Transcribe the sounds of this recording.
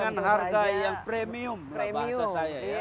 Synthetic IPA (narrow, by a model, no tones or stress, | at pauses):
anɦarɡajaŋpɾemiumbasasaja